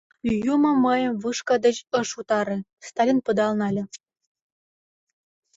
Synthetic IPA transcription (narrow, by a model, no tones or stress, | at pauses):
jumɤ̆mɤjɤ̆mvɯʃkɤ̆d̪ə̆ɕɤ̆ʂut̪ɑɾɤ̆st̪ɑlʲinpɤ̆d̪ɑlnɑlʲɘ̆